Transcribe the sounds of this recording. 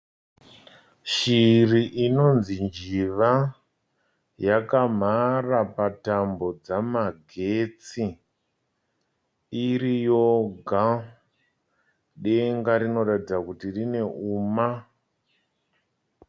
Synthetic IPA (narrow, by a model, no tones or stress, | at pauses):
ʃiriʔino̞nzind͡ʒiʋa | jakam̤arapatambo̞d͡zamaɡʱe̞t͡si | iɾijo̞ɡʱa | ɗe̞ŋɡaɾino̞ratid͡zakutirine̞ʔuːma